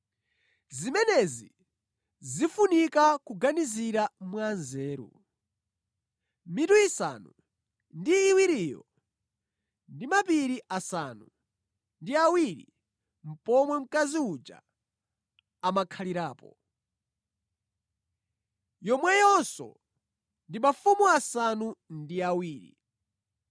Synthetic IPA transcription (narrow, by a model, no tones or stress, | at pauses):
zimɛnɛzḭ | zifunikakuɡaniziɾamwanzɛːɾṵ | mituisa̰nu | ndiːwiɾiːjɔ̰ | ndimapiɾiʔasanu | ndiawiɾḭ | m̩pɔmwɛm̩kaziud͡ʒa̰ | makʰaliɾaːpɔ̰ | jɔmwɛjɔnsɔ̰ | ndimafumuasanundiawiːɾḭ